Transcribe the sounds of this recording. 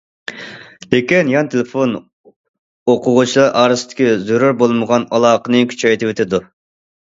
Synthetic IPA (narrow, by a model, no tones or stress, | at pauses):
lekʲinjɑnt̪ʰelɪfon | oqʰʊʁʊt͡ʃʰilˠɑɾʔɑːɾɨsɨt̪ʰɪ̥kʲizøɾuɾbolˠməʁɑnɑlˠɑːqənɨkʲʰy̥t͡ʃʰɛjt̪ɪwet̪ʰɪd̪u